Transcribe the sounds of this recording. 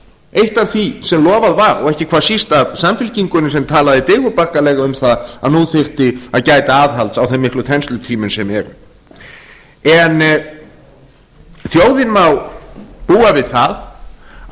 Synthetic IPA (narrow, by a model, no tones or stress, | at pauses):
ejht̪avθisɛmlɔːvaðvaɾɔ̰ɣɛhcɪkʰvḁːsist̪asamfɪlciŋkʏnʏs̬ɛmt̪ʰaːlaðɪt̪ɪɣʏpar̥kalɛːɣaʏmθaða̰ðnuːθɪr̥t̪ɪaðcaːjt̪aaːðɦalt̪sawθɛmːɪhklʏt̪ʰɛnst̪lʏt̪ʰiːmʏnsɛmɛɾ | ɛn | θjowðɪnmawpuːavɪðθað